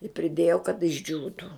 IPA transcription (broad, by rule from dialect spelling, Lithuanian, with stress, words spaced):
ɪ pʲrʲɪˈdʲeːjoː kɐt ɪʒʲˈd͡ʒʲuːtuː